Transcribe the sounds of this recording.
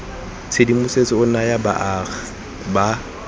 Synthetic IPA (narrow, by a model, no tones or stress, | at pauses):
t͡sʰedimʊset͡sɪʊnajaba̰ʔaːɣa | ba